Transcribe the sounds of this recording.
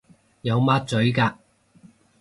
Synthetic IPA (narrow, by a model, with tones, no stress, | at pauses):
jɐ˨˧wmaː˥t̚t͡sɵ˨˥ɥkaː˧